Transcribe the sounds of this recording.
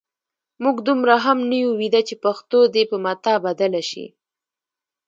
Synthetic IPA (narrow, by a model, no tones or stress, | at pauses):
muɡd̪umɾaɦamnajuwid̪at͡ʃepaxt̪od̪epəmat̪ɑbad̪alaʃḭ